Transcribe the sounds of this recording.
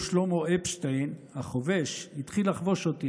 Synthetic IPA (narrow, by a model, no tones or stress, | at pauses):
ʃlomoepʃtejnhaχoveʃhit̪χilaχvo̞ʃot̪i